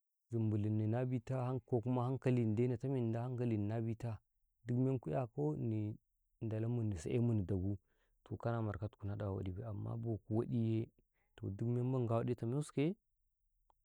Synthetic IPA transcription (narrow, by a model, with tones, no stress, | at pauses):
zi˨mbu˨li˨nːi˨na˦bi˦ta˦ha˦nko˨ku˦ma˦ha˦ŋka˦li˨n˨de˦na˨ta˦mi˦˨n˨da˦ha˦ŋka˦li˨n˨na˦bi˦ta˦ | du˦km˦e˦nku˦ja˦˨ko˦ni˨ | nda˨la˦mu˨nːi˨sa̰˨ʔḛ˦mu˨ni˨da˨ɡu˦ | to˨ka˦na˦ma˨ɾka˦tku˨na˦da˨wa̰˨di˨be˦˨a˨mːa̰˦bo˨ku˨wa˦di˦je˦ | to̰˨du˦km˦e˦ba˦ŋɡa˦˨wa˦di˦ta˨mi˦u˦ske˦